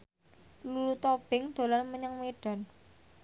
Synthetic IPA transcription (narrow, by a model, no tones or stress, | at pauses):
lulut̪ob̥ɪŋd̪̥o̤lanməɲəŋmeɖ̥a̤n